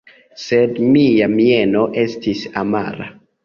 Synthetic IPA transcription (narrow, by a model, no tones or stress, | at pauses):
sedmiamieno̞ʔe̞stisama̰ɾa̰